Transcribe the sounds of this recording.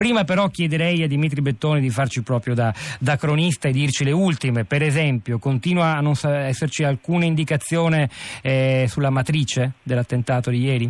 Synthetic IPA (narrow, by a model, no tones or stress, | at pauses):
pɾiːmapeɾɔkjɛd̪eɾɛjad̪ːimit̪ɾibet̪ːoːnid̪ifart͡ʃipɾɔːpɾjod̪ad̪akɾonist̪aed̪ːirt͡ʃileult̪imepeɾezɛmpjokont̪iːnwaːnːonsaɛsːert͡ʃialkuːnaind̪ikat̪sːjoːne | sulːamat̪ɾiːt͡ʃed̪elːat̪ːent̪aːt̪od̪ijɛːɾi